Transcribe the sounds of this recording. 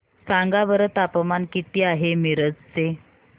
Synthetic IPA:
sãŋɡaʋəɾət̪apəmankit̪iːaɦemiɾəd͡zt͡se

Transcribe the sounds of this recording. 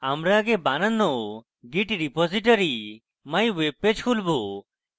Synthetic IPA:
amɾaɡebananɔ | ɡiʈɾipɔziʈɔɾi | maj̃webpːed͡ʒkʰulbo

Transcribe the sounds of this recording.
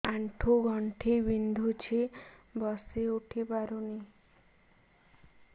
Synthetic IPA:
aɳʈʰuɡɔɳʈʰebind̪ʱut͡ʃʰebɔseuʈʰibaɾuni

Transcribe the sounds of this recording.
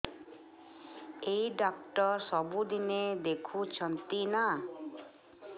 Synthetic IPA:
ejɖɔkʈɔɾsɔbud̪ined̪ekʰut͡ʃʰɔnt̪ina

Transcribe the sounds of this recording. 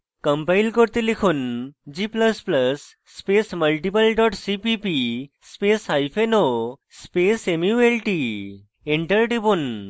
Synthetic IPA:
kəmpailkɔɾt̪ilikʰuːnd͡ʑipləspləsː | pesməlʈipəlɖɔʈsipipi | spesɦajfʰenospesemuelʈi | eɳʈəɾʈibuːn

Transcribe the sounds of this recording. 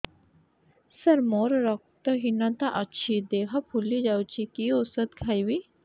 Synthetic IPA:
səɾmoɾɾək̚t̪əɦinãt̪aʔətːɕʰid̪eɦapʰulid͡ʒawt͡ɕikiosət̪̚kʰajwi

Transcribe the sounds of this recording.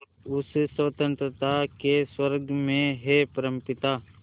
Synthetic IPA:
ʊssət̪ə̃nt̪ɾət̪akeswəɾɡmẽɦepəɾə̃mpɪt̪aː

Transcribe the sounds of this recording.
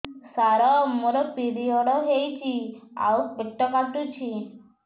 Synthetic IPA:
saɾɔmoɾɔpiɾiɔɽɔɦejt͡ʃʰia̰wpeʈːɔkaʈut͡ʃʰi

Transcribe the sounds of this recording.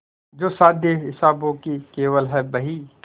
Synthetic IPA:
d͡ʒoːsaːd̪ʱjeɦɪsaːbõkikeːʋəlɦɛbɐɦi

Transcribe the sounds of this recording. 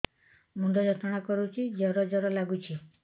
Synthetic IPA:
mund̪ʱɔd͡ʒɔt̪ʰɔɽ̃akɔɾut͡ʃʰid͡ʒɔɾɔd͡ʒɔɾɔlaɡut͡ʃʰi

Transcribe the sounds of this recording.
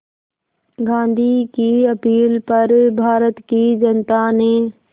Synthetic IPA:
ɡãːn̆d̪ʱikiːɐpiːlpɐɾbʱaːɾət̪kiːd͡ʒɐnt̪anẽː

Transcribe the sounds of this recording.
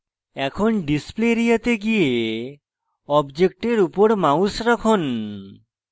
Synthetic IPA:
ɛkʰonɖispleɾijat̪eɡie | ɔbd͡ʒek̚ʈeɾupoɾmausɾɔkʰon

